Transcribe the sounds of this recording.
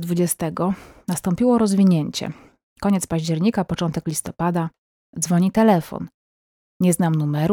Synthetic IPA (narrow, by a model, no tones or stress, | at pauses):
d̪vud͡ʑɛst̪ɛɡɔnast̪ɔmpʲiwɔɾɔzvʲiɲeɲt͡ɕɛ̰ | kɔɲɛt̪spaʑd͡ʑɛɾɲikapɔt͡ʂɔnt̪ɛklʲist̪ɔpad̪a | d̪zvɔɲit̪ɛlɛfɔ̰n | ɲɛznamnumɛɾu